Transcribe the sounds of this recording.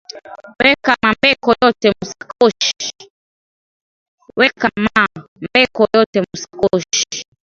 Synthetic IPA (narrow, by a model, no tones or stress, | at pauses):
wɛkamambɛkɔjɔtɛmusakɔʃi̥ | wɛkama | mbɛkɔjɔtɛmusḁkɔʃi̥